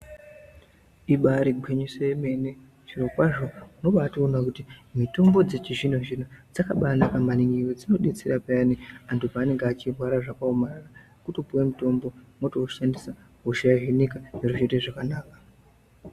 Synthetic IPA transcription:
iɓaɾiɡʱweɲesejeme̞ne | ʐirokwaʐo̞uno̞ɓaːtoːnakutimito̞mbo̞d͡zet͡ʃiʐin̤oʒinod͡zakaɓanakambaniŋiwed͡zino̞ɗet͡seɾapeaniantupaːne̞ŋɡeat͡ʃirwaɾaʐakaomarara | kutopuwemuto̞mbo̞motoʃandisa | ɦuʃajaɦenikaneruʒeteʐakanaːkḁ

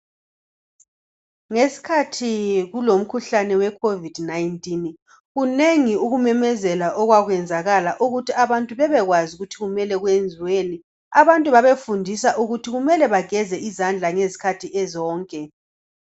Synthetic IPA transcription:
ŋesi̥kʰatʰiɣulom̩kʰuɬanɛwɛkʰovid̥najntʼin | ɣuneŋiuɣumɛmɛzɛlaʔɔɣwaɣwɛnd͡zʱaɣalaʔuɣutʰiaβantʼuβɛβɛɣwazuɣutʰiɣumɛlɛɣwend͡zʱiweni | aβantʼuβaβefundʱisaʔuɣutʰiɣumɛlɛβaɡ̥ʱɛzɛʔizand͡ɮʱaŋezi̥kʰatʰiʔɛzɔːŋkʼɛ

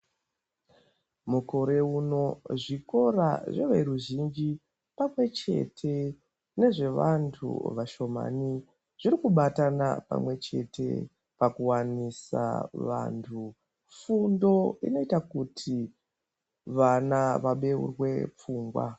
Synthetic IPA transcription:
muko̞ɾe̞uno̞ʐiko̞raʐeʋe̞ɾuʒind͡ʒi | pamwe̞t͡ʃe̞̰tʰe̞ | ne̞ʐe̞ʋantʰṵʋaʃo̞ma̰ni | ʐ̥iɾikuɓatana̰pa̰mwe̞t͡ʃe̞̰te̞̰ | pakuwanisa̰ʋa̰ntʰu | fundo̞ḭno̞itakutʰi | ʋanaʋaɓe̞ṵrwe̞p͡fuːŋɡwa̰

